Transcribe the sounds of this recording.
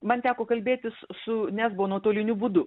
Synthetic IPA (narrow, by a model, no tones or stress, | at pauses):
mɐnt̪ʲæːkoːkɐlʲbʲeːt̪ʲɪssʊnʲæzbʊʋoːnuɔt̪oːlʲɪnʲuːbuːd̪ʊ